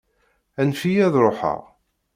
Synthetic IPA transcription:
ænfijæðɾˤoħə̰ʁ

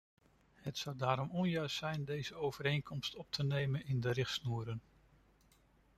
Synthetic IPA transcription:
ɦətsʌwdaːɾɔmɔnjœɥstsɛjndejzəowv̥əɾejnkɔmstɔp̚tʰənejmənɪndəɾɪχtsnuːɾən

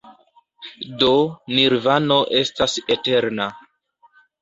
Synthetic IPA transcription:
do̞niɾvano̞ʔe̞stasete̞ɾna

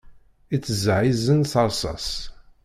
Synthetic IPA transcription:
it͡sːəzʕizənθɑɾˤsˤɑ̰s

